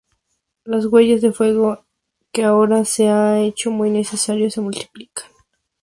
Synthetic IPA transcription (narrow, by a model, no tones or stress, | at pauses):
lozɣwe̞ʝezðe̞fwe̞ɣo | keaoɾaseae̞t͡ʃo̞mujne̞se̞saɾjose̞mult̪i̥pli̥kʰḁn